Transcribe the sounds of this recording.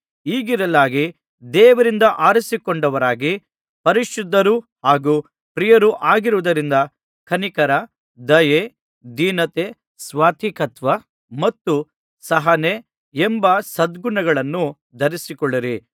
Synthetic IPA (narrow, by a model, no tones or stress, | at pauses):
iːɡiɾɐlaːɡi | d̪ɛːʋɐɾind̪ɐʔaːɾisikɔɳɖɐʋɐɾaːɡi | pɐɾiʃud̪ʱːɐɾuhaːɡuː | pɾijɐɾuʔaːɡiɾuʋud̪ɐɾind̪ɐ | kʰɐnikɐɾɐ | d̪ɐje | d̪iːnɐt̪eː | sʋaːt̪ʰikɐt̪ʋɐ | mɐt̪ːu | sɐɦɐne | embɐsɐd̪ɡunɐɡɐɭɐnːu | d̪ʱɐɾisikɔɭːiɾi